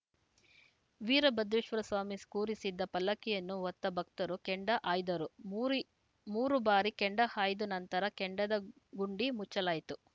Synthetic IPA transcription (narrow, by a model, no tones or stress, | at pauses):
ʋiːɾɐbɐd̪ʋiʃʋɐɾɐsʋaːmiskuːɾisid̪ːɐpɐlːɐkɛjɐnːuʋɔt̪ːɐbʱɐk̚t̪ɐɾukeɳɖɐʔaːjd̪ɐɾu | muːɾubaːɾikeɳɖɐhaːjd̪unɐnt̪ɐɾɐkeɳɖɐd̪ɐ | ɡuɳɖimut͡ʃːɐlaːjit̪u